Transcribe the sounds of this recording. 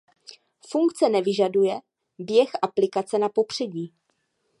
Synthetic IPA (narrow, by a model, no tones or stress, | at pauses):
fuŋkt͡sɛnɛvɪʒadujɛ | bjɛxʔaplɪkat͡sɛnapo̞pr̝̥ɛɟiː